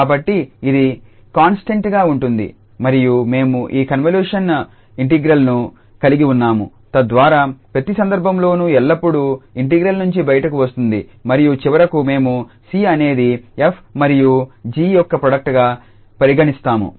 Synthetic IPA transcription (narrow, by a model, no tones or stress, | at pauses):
kaːbɐʈːiid̪i | kaːnsʈɐɳʈɡaːuɳʈund̪ḭ | mɐɾijume̞ːmuʔiːkɐnʋɐljuːʂɐn | iɳʈiɡɾɐlnu | kɐliɡiunːaːmṵ | t̪ɐd̪ʋaːɾaːpɾɐt̪isɐnd̪ɐɾbʱɐmlo̞ːnuɛlːɐpːuɽuiɳʈiɡɾɐlnuɲt͡ʃibɐjɐʈɐkuʋɐst̪und̪ḭmɐɾijut͡ʃiʋɐɾɐkume̞ːmu | siːɐne̞ːd̪iepʰmɐɾijud͡ʒiːjɔkːɐpɾoɽɐk̚ʈɡaː | pɐɾiɡɐɳist̪aːmṵ